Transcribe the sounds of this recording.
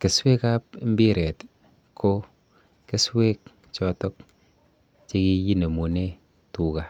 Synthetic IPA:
ke˨swe˦ka˦pm̩˦bi˦ɾe˨t | kʰo˦ | ke˦swe˦k̚ | t͡ʃɔ˦tɔ˦k̚ | t͡ʃe˦ki˦ji˦ne˨mu˨ne˦ | tu˨ka˨

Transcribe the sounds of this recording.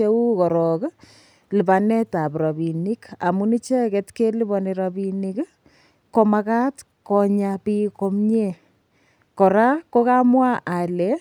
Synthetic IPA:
e˦u˦kɔ˨ɾɔ˨k | lɨ˨pa˨nɛ˦ta˨pɾɔ˨bi˨ni˦ka̰˨mu˦ni˦t͡ʃɛ˦ketke˦li˦bɔ˨ni˨ɾɔbinik | ko˨ma˧ka˦t | kɔ˨ɲapi˦ko˦mɲe˦˨ | kɔ˨ɾa˦ko˦ka˦mwa˦ʔa˨le

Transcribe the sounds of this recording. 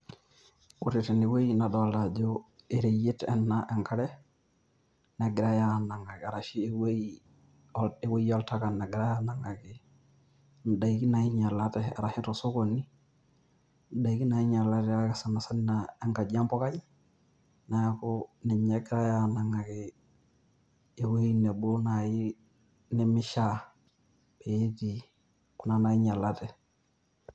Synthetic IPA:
kuɾetɪ˨nɪ˨we˦ina˨dɔlad͡ʒoeɾeje˦tɛnːaʔɛ˨ŋka˦ɾɛ˦ | nɛɡɪ˨ɾa˦jana˨ŋa˨ka˨ɾa˨ʃi˦e˦we˦i | ɔe˦we˦jiɔ˦lta˦ka˨nɛ˨ɡɪ˨ɾa˦ja˦na˨ŋa˨kɪ˨ | n˨da˨iki˦nai˦ɲa˨latɛ̰ɾa˨hɪ˦tɔso˦koni˦ | n˨da˨˦ki˦na˨ji˦ɲa˨la˦tɛ˨a˦kɪ˨sa˨na˨sa˦nːaɛ˦ŋka˨d͡ʒa˦mpɔ˦ka˦ji | na˨ja˦ku˦nɛ˨ɲa˨ɡɾa˦ja˨na˨ŋa˨kɪ˨ | e˨wu˦i˦nɛ˨bu˦na˨ji˦ | nɛ˦mi˦ʃa˦ | b̥e˨je˦ti˨ | ku˨na˦na˨ji˦ɲa˨la˦tɛ˨

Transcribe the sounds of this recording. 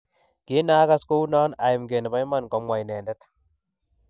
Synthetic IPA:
kɪ˦naː˦ka˦sko˦wnɔː˦na˨jɪ˨mɡe˨n˨ba˦jma˨nkɔ˦mwa˨jnɛː˨ndɛ˦t̪

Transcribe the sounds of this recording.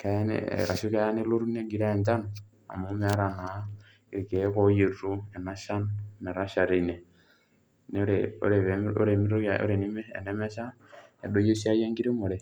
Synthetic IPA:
ka˦e˦nḛ˦˨ɾa˨ʃi˦ka˦ja˦ne˦lo˦ɾu˦ne˦ɡi˨ɾa˦˨nd͡ʒa˦n | a̰˨mo˦me˦ɾa˨na˨ | e˨ke˨˦ko˦je˨ɾu˦e˨na˦ʃa˦nne˨ɾa˦ʃa˨ɾe˨i˨ne˨ | n˦ɾeo̰˦ɾe˨βe˨o̰˦ɾe˨mi˦ɾo˦a˨o̰˦ɾe˨ni˦mḛː˦˨ne˦mɛ˦ʃa˦ | e˨do˦je˦ʃi˦a˦je˦ŋɡi˦ɾe˦mo˨ɾe˨

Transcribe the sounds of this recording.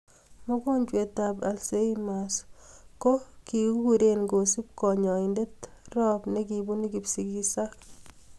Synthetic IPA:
mɔ˦kɔ˦ɲt͡ʃwe˨taba̰˨lse˦imasko˦ki˨kːu˦ɾenɡo˨si˦p̚kɔ˨ɲɔ˨inde˦trɔ˦pneki˨bu˦ni˦kipsi˨ki˦sa˦

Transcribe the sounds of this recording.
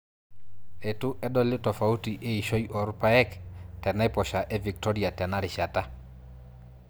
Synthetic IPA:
e˨tʊ˦ʔɛ˦dɔ˦lɪ˦tɔ˨fa˨u˦ti˨ʔe˦i˨ʃo˦jiɔ˨ɾpa˦ɛ˦ktɛ˨na˦ɪ˦pɔ˨ʃa˨ʔɛ˦vi˨k̚tɔ˦ɾi˨a˨tɛ˨na˦ɾɪ˨ʃa˨ta˦

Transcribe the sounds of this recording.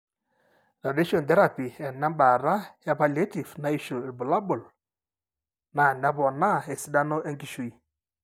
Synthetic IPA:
ɾa˨de˦ʃɔ˨n˨t̪ɛ˦ɾa˨pi˨ɛ˨na˦mba˨ɾa˦ja˦pa˨le˦ti˨vna˨i˦ʃo˨lbu˨la˦bʊ˨l | na˨ɛ˨nɛ˦pɔ˨na˦˨e˨si˦da˦nɔ˦ʔe˦ŋki˦ʃu˦˨i˦˨

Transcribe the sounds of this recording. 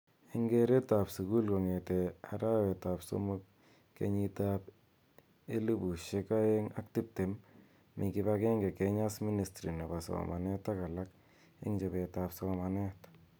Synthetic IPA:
e˦ŋɡe˦ɾe˦ta˨psu˨ku˦lko˨ŋe˨te˨a̰˨ɾa˦we˨ta˨pso̰˦mo˦k̚ː | ḛ˨ɲi˦ta˦p | e˦li˦bu˨ʃe˦ka˦je˦ŋa̰˦k̚tɪ˦p̚te˨mː | i˨kɪ˦ba˦ke˦ŋɡe˨ke˦ɲa˦smi˦ni˨stɾi˨ne˨ba˨so̰˨ma˨ne˦ta˦ka˨la˦k | ḛ˦ŋd͡ʒe˨be˨ta˨pso˦ma˨ne˦t

